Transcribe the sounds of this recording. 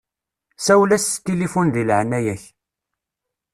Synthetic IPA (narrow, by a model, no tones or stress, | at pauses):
sæwlæst̪ːilifunðilʕnːæjæç